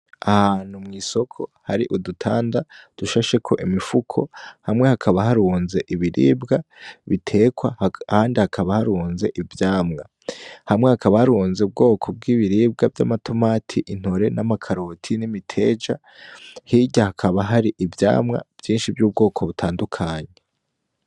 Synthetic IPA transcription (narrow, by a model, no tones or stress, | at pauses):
ahaːn̥humŋiːso̞kʰo̞haɾiʔudutʰaːndad̥uʃaʃe̞kʰo̞ʔimifukʰo̞̰hamŋe̞hakʰaβaɦaɾuːnze̞ʔiβiɾḭːbɡaβitʰe̞ːkwaaːndihakʰaβahaɾuːnze̞ʔivjaːmŋa | hamŋe̞hakʰaβahaɾuːnzeub̚ɡo̞ːkʰo̞b̚ɡiːβiɾiːbɡavja̰matʰo̞maːtʰiʔin̥ho̞ɾe̞namakʰaɾotʰinimitʰe̞d͡ʒa | hiːɟahakʰaβaɦaɾiʔivja̰ːmŋa̰v̥jiːnʃivjuːb̚ɡo̞ːkʰo̞βutʰaːndukʰaːɲe